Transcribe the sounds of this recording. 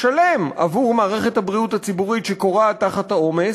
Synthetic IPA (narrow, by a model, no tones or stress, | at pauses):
ʃalemʔa̰vuʁmaːʁe̞χe̞thabʁiuthat͡sibuʁitʃeko̞ʁataχathao̞me